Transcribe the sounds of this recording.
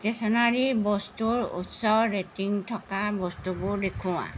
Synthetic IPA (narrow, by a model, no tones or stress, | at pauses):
tesɔnaɹibɔstuɹṵtsɔɹetiŋtʰɔkabɔstubʊdekʰũwã̰